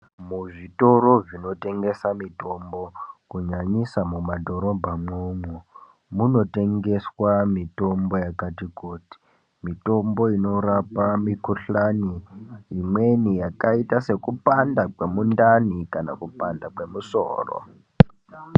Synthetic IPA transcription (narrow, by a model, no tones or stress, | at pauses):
muʐito̞ɾo̞ʐino̞te̞ŋɡe̞samito̞mbo̞kuɲaɲisamumadʱo̞ɾobʱamomu | muno̞te̞ŋɡe̞swamito̞mbo̞jakatikuːti̥ | mito̞mbo̞ino̞ɾapamikuɬaniimwe̞nijakaitase̞kupandakwe̞mundanikana̰kupandakwe̞muso̰ːro̰